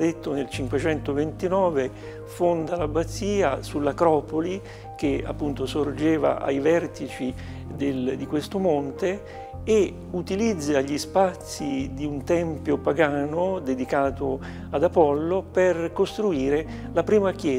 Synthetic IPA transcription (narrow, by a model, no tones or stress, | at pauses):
d̪et̪ːonelt͡ʃiŋkwet͡ʃɛnt̪ovent̪inɔːve | fond̪alabat̪sːiːasulːakɾɔːpoli | k̟ea̰pːunt̪osord͡ʒeːva̰ʔa̰jvɛrt̪it͡ʃi | d̪eld̪ikwest̪omont̪eː | ut̪ilid̪zːaʎːispat̪sːid̪iunt̪ɛmpjopaɡaːnod̪ed̪ikaːt̪o | ad̪apɔlːoperkost̪ɾuiːɾe | lapɾiːmak̟jɛː